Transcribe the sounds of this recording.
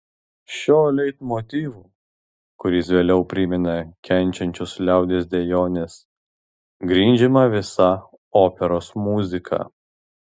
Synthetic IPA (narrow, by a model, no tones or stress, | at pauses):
ʃʲoːlʲɛɪt̪moːt̪ʲiːʋuː | kʊɾʲɪsʋʲeːlʲɛʊpʲɾʲɪmʲɛnɐkʲɛnʲˑt͡ʃʲɛnʲt͡ʃʲʊslʲæˑʊd̪ʲeːs̬ʲd̪ʲejoːnʲes | ɡɾʲiːnʲd͡ʒʲɪmɐʋʲɪsɐ | oːpʲɛɾoːsmuːzʲɪkʰɐ̰ː